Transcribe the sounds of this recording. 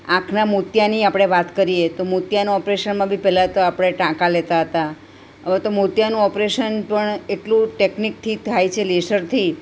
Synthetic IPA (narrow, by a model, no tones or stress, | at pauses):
ãkʰnamut̪janiapɽ̃eʋat̪kəɾiet̪omut̪janũɔpɾeʃənmãbʱipɛɦlat̪oapɽ̃eʈãkalet̪aɦət̪a | ɦəʋet̪omut̪janũɔpɾeʃənpəɳeʈlũʈeknik̚t̪ʰit̪ʰajt͡ʃʰelesəɾt̪ʰi